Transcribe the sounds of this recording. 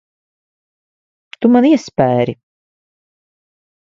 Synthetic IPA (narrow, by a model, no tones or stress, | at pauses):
t̪umaniɛspæːɾi